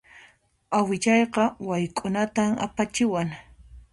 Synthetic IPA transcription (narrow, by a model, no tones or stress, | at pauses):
awɪʎɑjqɑwajkʼʊnat̪ama̰pat͡ʃɪwaŋ